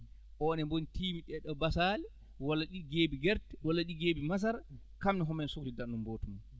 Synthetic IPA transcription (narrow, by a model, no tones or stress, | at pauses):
ʔɔnɛmbonitiːmiɗɛɗɔbasalɛ | walːaɗiɡeːbiɡɛɾtwalːaɗiɡeːbimas̬aɾ | kamniɦɔmɛnsuktidanːumboːtuma